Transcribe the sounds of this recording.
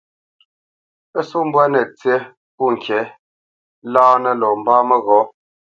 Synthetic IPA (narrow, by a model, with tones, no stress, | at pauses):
ə˦su˦m̩˦bwɛ˦nɛ˨t͡sje˦ | pu˦˨ŋ˨kʰɛ˨˦ | laː˦nə˦lɔ˨m̩˨baː˦mə˦ɣɔ˨˦